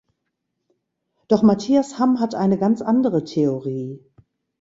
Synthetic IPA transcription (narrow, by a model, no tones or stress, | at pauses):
d̥ɔχmatʰiːashamɦatʔaɪnəɡant͡sʔandəʁətʰeoʁiː